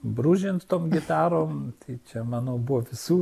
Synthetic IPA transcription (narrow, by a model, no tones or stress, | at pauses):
bɾuːʒʲɪnt̪t̪oːmɡʲɪt̪ɑːɾoːmt̪ɐɪt͡ʃʲɛmɑːnoːbuʋoːʋʲɪsuː